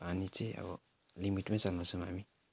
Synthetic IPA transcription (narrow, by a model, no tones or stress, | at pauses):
anĩt͡ʃea̰bɔ̰ | limitẽsanɔ̃sumamĩ